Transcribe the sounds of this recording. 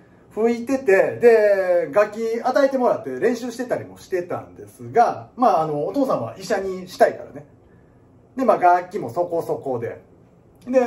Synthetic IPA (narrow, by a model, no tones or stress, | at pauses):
ɸɯ̟it̪e̞t̪e̞d̪e̞ɡakʲːiat̪aet̪e̞mo̞ɾat̪ːe̞ɾẽ̞ɰ̃ɕɨːɕi̥t̪e̞t̪aɾʲimo̞ɕi̥t̪e̞t̪ã̰nd̪e̞̰sɨɡamaːno̞ːt̪o̞ːsãɰ̃βa̰ʔiɕaɲ̟iɕi̥t̪aikaɾa̰ne̞ | d̪emaːɡakʲːimo̞so̞ko̞so̞ko̞d̪e̞̰ | d̪e̞